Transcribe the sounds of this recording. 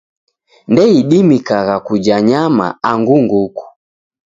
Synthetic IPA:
ndɛiɗimikaɣakud͡ʒaɲama̰aŋɡuŋɡuku̥

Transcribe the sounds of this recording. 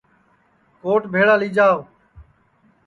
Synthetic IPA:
koːʈbʱeːɽaːliːd͡ʒaːo

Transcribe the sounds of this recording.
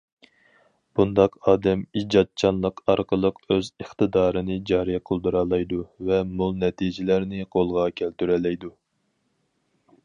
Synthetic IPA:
b̥und̪ɑqɑːd̪ɛmid͡ʒɑt̪̚t͡ʃʰɑnlˠəqɑɾqʰəlˠəqøzəχt̪ɨd̪ɑːɾɨnɨd͡ʒɑːɾijɛqʰəlˠd̪uɾɑːlˠɑjd̪uvɛmulˠnɛt̪ʰid͡ʒɪlæɾnɪqʰolˠʁɑkʲʰælt̪yɾɛlɛjd̪u

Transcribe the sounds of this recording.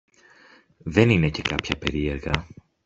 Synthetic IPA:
ðe̞nine̞ce̞kɐpçɐpe̞ɾie̞ɾɣɐ

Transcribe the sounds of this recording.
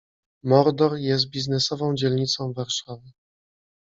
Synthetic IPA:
mɔɾd̪ɔɾjɛs̬t̪̚bʲiznɛsɔvɔ̃w̃d͡ʑɛlɲit̪sɔ̃w̃vaɾʂavɘ

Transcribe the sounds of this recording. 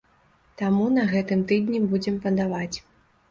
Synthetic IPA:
t̪amunɐɣɛt̪ɨmt̪ɨd̪ʲnʲibud͡zʲɛmpɐd̪avat͡sʲ

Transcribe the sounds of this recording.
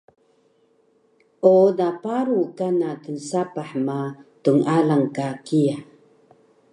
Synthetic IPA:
ʔodapaɾukanatənsapaħmatuŋalaŋkakia

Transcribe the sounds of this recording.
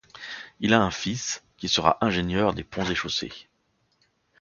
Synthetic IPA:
ilaɛ̃fiskʲisəʁa̰ʔɛ̃ʒenjœʁd̪epɔ̃zeʃosḛ

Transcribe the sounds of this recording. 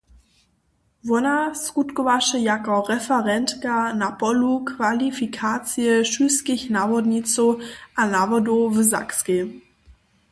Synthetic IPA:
vɔnaskutkovaʃəjakɔʁɛfɛʁɛntkanapɔlukvalifikʰaːt͡siəʃyskiçnaːvɔdnit͡soʔanavɔdovəza̰kske

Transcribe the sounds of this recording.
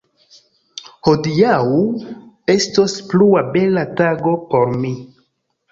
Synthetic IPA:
ho̞diawu | e̞stospluabe̞lataɡo̞po̞ɾmi

